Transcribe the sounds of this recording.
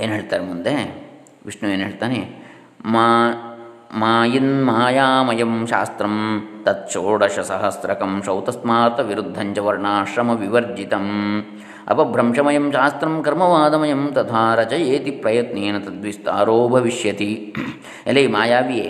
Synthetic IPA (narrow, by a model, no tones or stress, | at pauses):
eːnɦeːɭt̪aːɾemund̪e | ʋiʂnueːnɦeːɭt̪aːne | ma | maːjinmaːjaːmɐjɐmʃa̰ːst̪ɾɐmt̪ɐt̪̚t͡ʃoːɽɐʃɐsɐɦɐsɾɐkɐmʃɐwt̪ɐsmaːɾt̪ɐʋiɾud̪ʱːɐɲt͡ʃɐʋɐɾɳaːʃɾɐmɐʋiʋɐɾd͡ʒit̪ɐm | ɐ̰pɐbʱɾɐmʂɐmɐjɐmʃaːst̪ɾɐmkɐɾmɐʋaːd̪ɐmɐjɐmt̪ɐt̪ʰaːɾɐt͡ʃɐjeːt̪ipɾɐjɐt̪neːnɐt̪ɐd̪ʋist̪a̰ːɾoːbʱɐʋiʃjɐt̪i | elɐjmaːjaːʋieː